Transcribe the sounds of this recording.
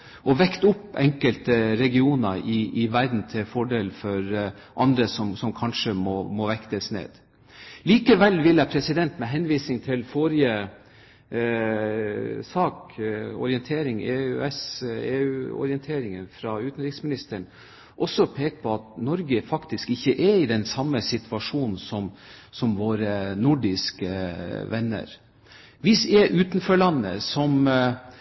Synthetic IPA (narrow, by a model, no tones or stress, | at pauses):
ʔɔʋɛkt̪ʊpːɛŋkəlt̪əɾɛɡɪuːnəɾʔɪʔɪʋæɾd̪n̩t̪ʰɪfɔɖeːlfɔɾ | ʔɑnd̪ɾəsɔmsɔmkʰɑnʂəmɔmɔʋɛkt̪əsnḛːd̪̥ | liːkəʋɛlːʋɪlːəpʰɾɛsɪd̪ɛnt̪mɛɦɛnʋiːsɪŋt̪ʰɪlfɔɾɪə | sɑːkɔ̰ɾɪənt̪ʰeːɾɪŋeːʉɛseːʉːɔ̰ɾɪənt̪ʰeːɾɪŋənfɾɑʉːt̪n̩ɾɪksmɪnɪst̪əɳ̩ | ʔɔsːɔpʰeːkə̥pʰɔɑt̪̚nɔɾɡəfɑkt̪ɪskɪçːəʔɛɪd̪ɛnsɑmːəsɪt̪ʰʋɑʂuːnn̩sɔmsɔmʋoːɾənʊɖɪskəʋɛnːə̰ɾ | ʋɪsɛʔʉːt̪nfɔɭɑnːə̰sɔm